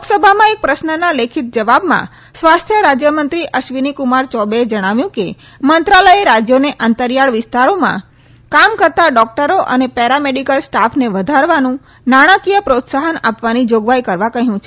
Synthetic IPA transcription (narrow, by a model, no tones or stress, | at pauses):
uksəbʱamãek̚pɾəsnənalekʰit̪̚d͡ʒəʋabmã̰ | sʋast̪ʰjəɾad͡ʒjəmənt̪ɾiʔəʃʋinikumaɾt͡ʃɔbeed͡ʒəɽ̃aʋjũke | mənt̪ɾaləjeɾad͡ʒjoneʔant̪əɾjaɭʋɪst̪aɾomã̰ | kamkəɾt̪aɖɔk̚ʈəɾoʔə̰nepɛɾameɖikəlsʈafʰneʋəd̪ʱaɾʋanũ | naɽ̃akijəpɾot̪saɦəna̰pʋanid͡ʒoɡʋajkəɾʋakəɦjũt͡ʃʰe̥